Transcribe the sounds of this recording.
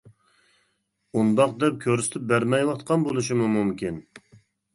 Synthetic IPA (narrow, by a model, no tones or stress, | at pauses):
und̪ɑq̚d̪ɛp̚kʲʰøɾsɪ̥t̪ʰyp̚bæɾmɛjwɑt̪qʰɑnbolˠuʃ̬imumumkʲin